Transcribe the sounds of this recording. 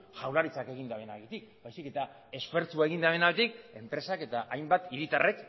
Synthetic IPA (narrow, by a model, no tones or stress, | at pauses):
ʝawlaɾit͡sake̞ɣ̞ind̪aβe̞naɣet̪ik̚bajsike̞t̪a | e̞sfe̞ɾt͡suae̞ɣ̞ind̪aβe̞naβet̪ik̚e̞mpɾe̞sake̞t̪aʔajmbat̪iɾit̪are̞k